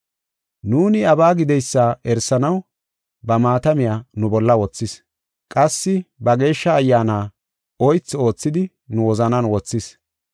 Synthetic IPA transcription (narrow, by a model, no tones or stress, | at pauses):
nuːnɪɐbaːɡɪd̪ɛjsːaːɛɾsɐnɐw | bɐmaːt̪ɐmɪjaːnʊbɔlːɐwɔt͡sːɪs | kʼɐsːɪbɐɡe̞ːʃːɐːjːaːnaː | ɔjt͡sːo̞ːt͡sːɪd̪ɪ | nʊwɔzɐnɐnwɔt͡sːɪs